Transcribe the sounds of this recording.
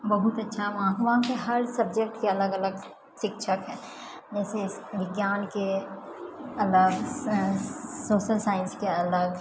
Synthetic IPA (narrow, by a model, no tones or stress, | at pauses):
bɐɦut̪ɐtːʃʰabãkʋãːkeɦɐɾsɐb̚d͡ʒek̚ʈkeɐləɡɐləɡ | ʃɪkʃʰəkɦɛː | d͡ʒɛːse | ʋɪɡjaːnke | ɐləɡ | soːʃəlsaːɪ̃nskeɐləɡ